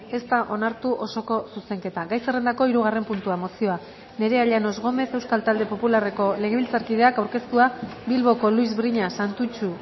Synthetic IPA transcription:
e̞st̪aʔo̞naɾt̪uʔo̞so̞ko̞suse̞ŋke̞t̪aɡajsere̞nd̪ako̞iɾuɣ̞are̞mpunt̪uamo̞sio̞a | ne̞ɾe̞aʎano̞zɣo̞me̞se̞wskalt̪ald̪e̞po̞pulare̞ko̞le̞ɣ̞e̞βilt͡saɾkið̞e̞akawɾke̞st̪uabilβo̞ko̞luizbɾiɲasant̪ut͡ʃu

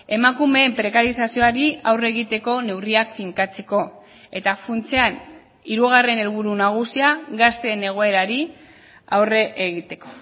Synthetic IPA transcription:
e̞makume̞ːmpɾe̞kaɾisasio̞aɾiawre̞ɣ̞it̪e̞ko̞ne̞wriakfiŋkat͡se̞ko̞ | e̞t̪afunt͡se̞an | iɾuɣ̞are̞ne̞lβ̞uɾunaɣ̞usiaɣast̪e̞ne̞ɣ̞o̞e̞ɾaɾi | a̰wre̞ʔeɣ̞it̪e̞ko̞̥

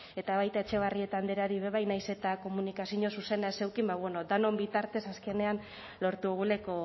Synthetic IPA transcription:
e̞t̪aβ̞ajt̪ae̞t͡ʃe̞ɣ̞arie̞t̪and̪eɾaɾiβ̞e̞βajnajse̞t̪ako̞munikasiɲo̞suse̞naese̞wkimbaβweno̞d̪ano̞mbit̪aɾt̪e̞saske̞ne̞an | lo̞ɾt̪uɣule̞ko̞

